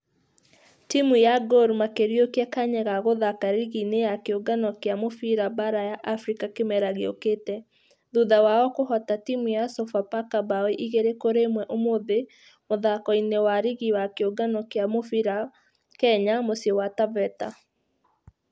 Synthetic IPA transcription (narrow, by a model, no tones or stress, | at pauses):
timujaɡoɾmakeɾjokɛkaɲɛɣaɣoðakaɾiɣinejakeoɡanɔkeamofiɾabaɾajaʔafɾikakemɛɾaɣeo̰ketɛ | ðuðawaɔkohɔtatimujasɔfapakabaweʔiɣeɾekoɾemwɛʔomoðe | moðakɔinewaɾiɣiwakeoɡanɔkeamofiɾa | kɛɲamosjɔwatavɛta